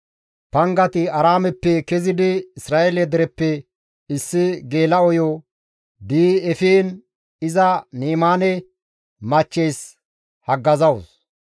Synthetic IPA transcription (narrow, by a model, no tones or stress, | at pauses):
pɐŋɡɐt̪ɪɐɾaːmɛpːɛkɛzɪd̪ɪɪsɾaːʔɛlɛd̪ɛɾɛpːɛ | ɪsːɪɡe̞ːlɐɔjɔ | d̪iːɛfiːn | ɪzɐniːmaːnɛ | mɐt͡ʃːejs | hɐɡːɐzɐws